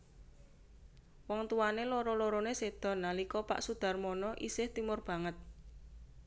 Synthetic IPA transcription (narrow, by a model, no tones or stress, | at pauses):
wɔŋt̪uwaneloɾɔloɾɔnesed̪̥ɔ̤nːalikɔpa̰ʔsud̪̥a̤rmɔnɔʔisɪht̪imʊrb̥a̤ŋət̪̚